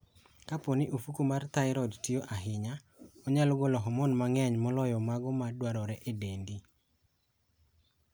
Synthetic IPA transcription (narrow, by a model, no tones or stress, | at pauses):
kaponɪʔofukumart̪aɪɾɔdtioʔaɦɪɲa | ɔɲalɔɡɔlɔɦɔmɔnmaŋɛɲmɔlɔjɔmaɡɔmadwaɾɔɾɛʔedendi